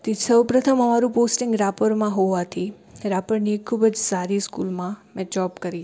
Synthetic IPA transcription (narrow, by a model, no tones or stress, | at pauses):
t̪isəwpɾət̪ʰəməmaɾũposʈɪŋɡɾapəɾmãɦoʋat̪ʰi | ɾapəɾnikʰːubəd͡ʒsaɾiskulmãmɛ̃d͡ʒɔbkəɾi